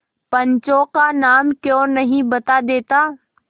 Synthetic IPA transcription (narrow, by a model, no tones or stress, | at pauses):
pɐ̃ɲt͡ʃokanaːmkjõːnɐɦĩbɐt̪ad̪eːt̪aː